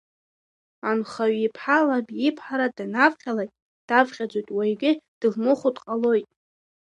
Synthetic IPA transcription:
anχaɥipʰħalabipʰħaɾadanavχʲalajtʼ | d̥avχʲʼad͡ʒʷojtʼwajɡʲɪd̥ɨlmɨχudqʼalo̞jtʼ

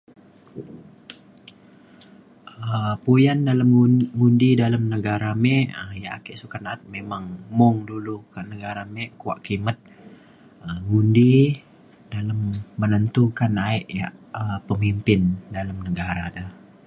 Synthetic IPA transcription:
əpujandalamŋundidalamnəɡaɾamɛʔəjaʔa̰kɛʔsukanat̪̚memaŋmɔŋdulukaʔnəɡaɾamɛʔkua̰ʔkimət̪̚ | əŋundi | daləmːənənt̪ukanaɛʔja̰ʔəpəmimpɪndalamnəɡaɾadə

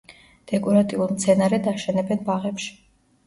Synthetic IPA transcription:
d̪̥ɛkʼɔɾat̪ʼiulˠmt̪sʰɛnaɾɛd̪aʃɛnɛbɛnbaʁɛpʃi̥

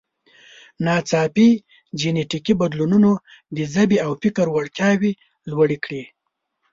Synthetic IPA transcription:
nɑt͡sɑpi | d͡ʒeneʈikibad̪lununo | d̪əzabiawfɪkaɾwaɽkjɑwi | lwaɽikɽi

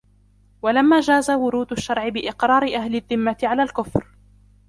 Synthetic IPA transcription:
walamːaːd͡ʒaːzawʊɾuːd̪ʊʃːɑɾˤʕɪbɪʔɪqɾɑːɾɪʔaɦlɪðːɪmːat̪ɪʕalaːlkʊfɾ

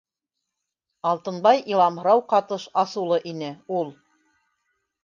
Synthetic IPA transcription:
ɑlˠt̪ɤ̆nbɑjʔilˠɑmh̆ɾɑwqɑt̪ɤʃɑsulˠɤʔinɘulˠ

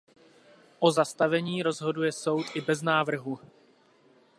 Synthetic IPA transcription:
ʔo̞zast̪avɛɲiːɾo̞zɦo̞dujɛso̞wt̪ʔɪbɛznaːvr̩ɦu

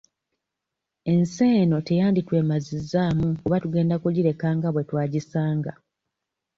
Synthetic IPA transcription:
e̞nse̞ːno̞te̞jaːnditwe̞ːmazizːaːmukuβatuɡe̞ːndakuɟiɾe̞kaːŋɡaβwe̞twaːɟisaːŋɡa

